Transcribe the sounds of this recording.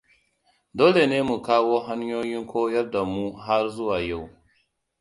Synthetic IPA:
doː˦le˨neː˦mu˨kaː˦woː˦ɦa˦ɲjoː˦jɪ˦ŋkʰʷoː˦jɐ˦rda˨muː˦ɦa˦rzʊ˦waː˨ja˦˨w

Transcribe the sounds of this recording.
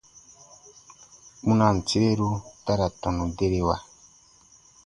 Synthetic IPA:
mu˦na˨n̩˨ti˦e˦ɾu˦ta˦ɾa˨tɔ˨nu˨de˦ɾe˦wa˦˨

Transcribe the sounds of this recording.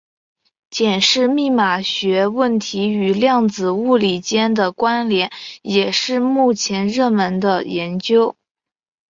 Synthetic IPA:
t͡ɕjɛ˨˩nʂɻ̩˥˧mi˥˩ma˨˩ɕɥɛ˧˥wə˥˩nt̪ʰi˧˥y˨˩ljɑ˥˩ŋt͡sɹ̩˨˩u˥˩li˨˩t͡ɕjɛ˥nd̪ə˨kwa˥nljɛ˧˥njɛ˨˩ʂɻ̩˥˧mu˥˩t͡ɕʰjɛ˧˥nɻɤ˥˩mə˧˥nd̪ə˧jɛ˧˥nt͡ɕjo˥ʊ

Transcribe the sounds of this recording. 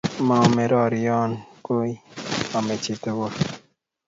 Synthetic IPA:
ma˨mɛ˨ɾɔ˨ɾi˨jɔ˦nko˦i˦ɔ˨me˨t͡ʃi˨t̪o˨wo˦˨

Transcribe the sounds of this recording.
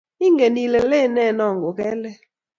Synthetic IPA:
i˦ŋɡe˨ni˨lɛ˨le˦˨nɛ˦˨nɔ˨ŋɡʊ˨kɛ˦lɛ˦

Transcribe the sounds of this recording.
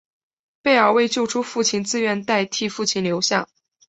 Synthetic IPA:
pe˥˩ɪə˞˨˩we˥˧ɪt͡ɕjo˥˧ʊʈ͡ʂʰu˥fu˥˩t͡ɕʰi˥˩nt͡sɹ̩˥ɥɛ˧˥nt̪a˥˧ɪt̪ʰi˥˧fu˥˧t͡ɕʰi˥˩nljo˧˥ʊɕjɑ̰˥˩ŋ

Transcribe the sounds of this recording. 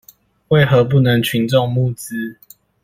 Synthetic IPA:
we˥˨ɪxɤ˨˦p̬u˥˩˨nə˨˧˦ŋt͡ɕʰy˨˦nʈ͡ʂɔ˥˧ŋmu˥˨t͡s̩˦

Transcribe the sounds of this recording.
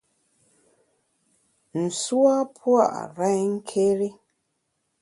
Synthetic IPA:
n̩˨swa˦pʰwa˦˨ʔɾa˦jŋ̩˦kʰe˦ɾe˦

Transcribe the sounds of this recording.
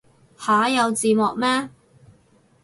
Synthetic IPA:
haː˨˥jɐ˨˧wt͡siː˨˧mɔː˨k̚mɛː˥

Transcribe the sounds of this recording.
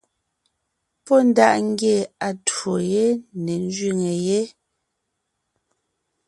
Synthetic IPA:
pɔ˦˨n̩˦da˦ʔŋ̩˦ɡje˦˨a˨two˨je˦ne˨n˦d͡ʒɥi˦˨ŋe˨je˦

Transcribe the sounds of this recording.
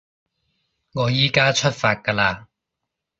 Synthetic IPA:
ŋɔː˨˧jiː˥kaː˥t͡ʃʰɵ˥t̚faː˧t̚kɐː˧laː˧

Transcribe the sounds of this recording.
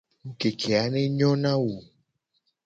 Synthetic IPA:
ŋ̩˨ke˨kʰe˨a˨˦nẽ˦ɲɔ̃˦nã˦wo˨

